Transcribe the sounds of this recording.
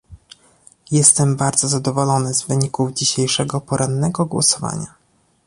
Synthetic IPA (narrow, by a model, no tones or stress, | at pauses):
jɛst̪ɛmbaɾd̪zɔzad̪ɔvɔlɔnɘzvɘɲikuvd͡ʑiɕejʂɛɡɔpɔɾʔanːɛɡɔɡwɔ̰sɔva̰ɲa